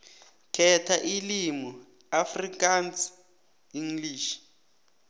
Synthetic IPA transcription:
kʰɛtʰaʔilimu | afrikans | iŋliːʃi̥

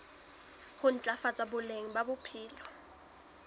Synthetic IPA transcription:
hʊn̩t͡ɬʼafat͡sʼabʊleŋ̩babʊpʰiːlɔ

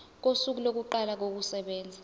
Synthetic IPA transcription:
k̬osuk̬ulok̬uǃalak̬ok̬usɛɓɛːnd͡zʱa

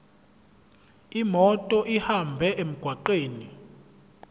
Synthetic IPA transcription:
imɔtʼɔʔihambʱɛʔem̩ɡ̥ʱwaǃeːni

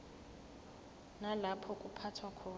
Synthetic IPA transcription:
nalapʰɔkʼupʰatʰwakʰɔː

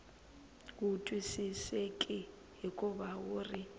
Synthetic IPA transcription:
k̬utʼwisisekʼɪ | ɦikʼʊbaurɪ

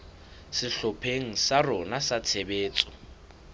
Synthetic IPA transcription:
sɪɬɔpʰeŋ̩sarɔnasat͡sʰebeːt͡sʼɔ̥

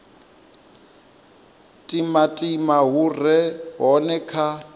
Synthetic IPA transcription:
tʼimatʼimaɦurɛɦɔnɛkʰa

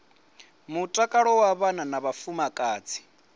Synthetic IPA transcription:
mutʼakʼaɺɔwaβananaβafumakʼaːt͡sʰi̥

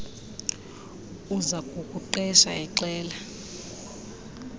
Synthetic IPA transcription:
uzakʼukʼuǃɛʃaɛǃɛːla

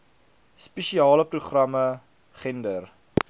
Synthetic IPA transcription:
speʃiɑːləpruχrɐmə | χɛndər

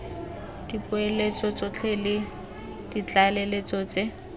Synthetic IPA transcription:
d̥ipʼʊelet͡sʼɔt͡sʼɔt͡ɬʰelɪ | d̥it͡ɬʼalelet͡sʼɔt͡se

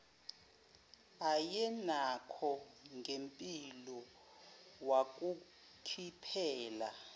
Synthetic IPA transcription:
ajɛnakʰɔŋɡempʼilɔ | wak̬ʼu | kʰipʰɛːla

